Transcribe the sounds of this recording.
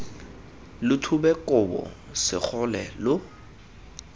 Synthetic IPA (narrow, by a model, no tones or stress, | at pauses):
lʊtʰubɛkʼʊbɔ̰sɪ̰k͡xʰʊlɛlʊ